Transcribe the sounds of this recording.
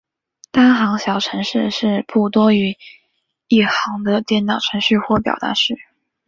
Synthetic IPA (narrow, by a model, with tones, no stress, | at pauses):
t̪a˥nxɑ˧˥ŋɕjɑ˨˩ʊʈ͡ʂʰɤ˧˥ŋʂɻ̩˥˧ʂɻ̩˥˧pu˥˩t̪wɔ˥y˧˥ | i˥˩xɑ˧˥ŋd̪ə˧t̪jɛ˥˩nt̪ɑ˨˩ʊʈ͡ʂʰɤ˧˥ŋɕy˥˧xwɔ˥˩p̬jɑ˨˩t̪a̰˧˥ʂɻ̩˥˩